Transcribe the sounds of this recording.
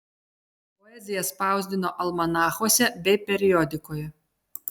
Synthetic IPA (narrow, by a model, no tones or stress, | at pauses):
pɔɛzʲɪjɛspɑˑʊzʲd̪ʲɪnoːʔɐlˠmɐnɑːxoːsʲɛbʲɛɪpʲɛɾʲɪjɔd̪ʲɪkoːjɛ